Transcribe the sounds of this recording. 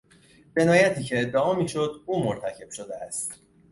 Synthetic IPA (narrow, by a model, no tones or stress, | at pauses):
d͡ʒe̞nɒːjæt̪ʰiːcʰe̞ːd̪ːeɒːmiːʃo̞d̪uːmoɾt̪ʰæcʰe̞b̥ʃod̪eæst̪